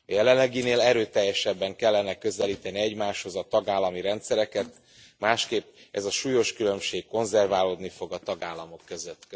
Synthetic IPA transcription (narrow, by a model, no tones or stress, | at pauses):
ɒjɛlɛllɛɡineːlɛɾøːt̪ɛjːɛʃɛbːɛŋkɛlːɛnɛkø̞zɛliːt̪ɛniɛɟmaːʃho̞zɒt̪ɒɡaːlːɒmiɾɛnt̪sɛɾɛkɛt̪ | maːʃkeːpːɛzɒʃuːjo̞ʃkylø̞mʃeːkko̞nzɛrvaːloːd̪nifo̞ɡɒt̪ɒɡaːlːɒmo̞kːøzøt̪ː